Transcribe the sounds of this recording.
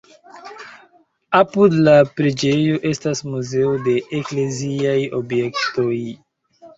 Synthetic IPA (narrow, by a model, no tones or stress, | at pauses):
apudlapɾed͡ʒe̞jo̞ʔe̞stasmuze̞ode̞ʔekleziajo̞bje̞kto̞j